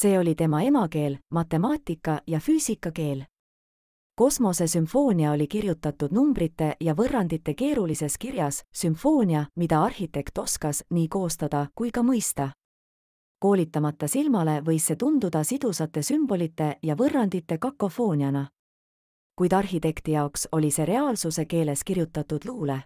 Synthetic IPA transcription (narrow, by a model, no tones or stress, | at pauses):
se̞ːo̞lʲit̪e̞mɑe̞mɑke̞ːlmɑt̪ːˑe̞mɑːt̪ʲːˑikːˑɑjɑfyːsikːˑɑke̞ːl | ko̞smo̞se̞sympfo̞ːnʲiɑo̞lʲikirjut̪ːˑɑt̪ːud̪̥numbrit̪ːˑe̞jɑvɤrːɑnd̪it̪ːe̞ke̞ːɾulise̞skirjɑssympfo̞ːnʲiɑmid̪̥ɑɑrhit̪e̞kt̪o̞skɑsniːko̞ːst̪ɑd̪̥ɑkujkɑmɤjst̪ɑ | ko̞ːlʲit̪ˑːɑmɑt̪ːˑɑsilmɑle̞vɤ̞jsːe̞t̪und̪ud̪̥ɑsid̪̥usɑt̪ːˑe̞symb̥o̞lit̪ːˑe̞jɑvɤrːɑnd̪it̪ːˑe̞kɑkːo̞fo̞ːnʲiɑnɑ | kujd̪̥ɑrɦit̪e̞kt̪ijɑokso̞lʲise̞ɾe̞ɑːlsuse̞ke̞ːle̞skirjut̪ːˑɑt̪ːˑud̪̥luːle̞